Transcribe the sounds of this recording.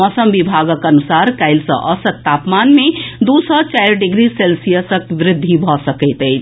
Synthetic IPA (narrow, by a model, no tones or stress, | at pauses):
ɔːsəmʋibʱaɡəkənusaɾkaɪlsə̰̃ʔəsət̪t̪aːpmanmẽd̪usɔt͡ʃajɾɖɪɡɾiselsijəsəkʋɾɪd̪ʱːibʱɔsəkəɪt̪ɛː